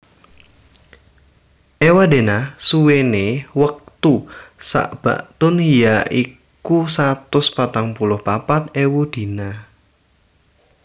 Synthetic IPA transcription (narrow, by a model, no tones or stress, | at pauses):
ʔewad̪e̤nasuwenewək̚t̪usa̰ʔb̥a̤̰ʔt̪ʊnhijaʔi | kusat̪ʊspat̪aŋpulʊhpapat̪̚ewud̪̥i̤na